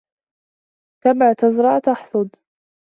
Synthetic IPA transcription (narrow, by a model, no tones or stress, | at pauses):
kamaːt̪azɾˤɑʕt̪aħsˤʊd̪